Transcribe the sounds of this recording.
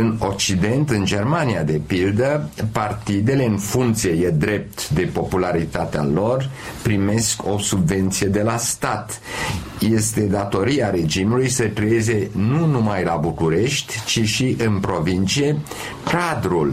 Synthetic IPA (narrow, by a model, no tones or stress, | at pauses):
ɨno̞k̚t͡ʃid̪e̞nt̪ɨnd͡ʒe̞rmaniad̪e̞pild̪əpart̪id̪e̞le̞ɨnfuŋkt̪sije̞jed̪ɾe̞p̚t̪d̪e̞po̞pulaɾit̪at̪ea̰lo̞rpɾime̞skʰo̞subve̞nt̪sije̞d̪e̞last̪at̪ | je̞st̪e̞d̪at̪o̞ɾiaɾe̞d͡ʒimulujsəkɾejeze̞nunumajlabukuɾe̞ʃt̪ʲt͡ʃiʃiʔɨnpɾo̞vint̪t͡ʃije̞ | kad̪ɾul